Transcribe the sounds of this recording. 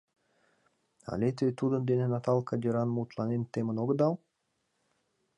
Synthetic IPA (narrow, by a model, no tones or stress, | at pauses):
ɑ̰lʲet̪vʲet̪ud̪ə̆nd̪enʲenɑt̪ɑlˠkad̪ʲiɾɑnmuːt̪lˠɑnent̪emə̆noɡɤ̆d̪ɑlˠ